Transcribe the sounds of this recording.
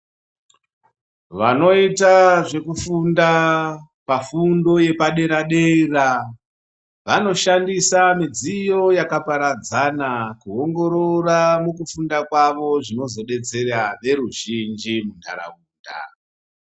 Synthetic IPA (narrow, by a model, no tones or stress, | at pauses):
ʋano̞itaʐe̞kufunda | pafundo̞je̞paɗe̞ɾaɗe̞ira | ʋano̞ʃandisamid͡zijo̞jakapaɾad͡zanakuoŋɡo̞ɾo̞ramukufundakwaʋo̞ʐino̞zo̞ɗe̞t͡se̞ɾaʋe̞ɾuʒind͡ʒimundʱa̰ɾa̰uːnda̰